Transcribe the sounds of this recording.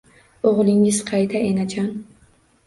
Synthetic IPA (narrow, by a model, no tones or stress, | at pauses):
oʁlˠɪŋɪz̥qʰɑjt̪ʰaʔenat͡ʃʰan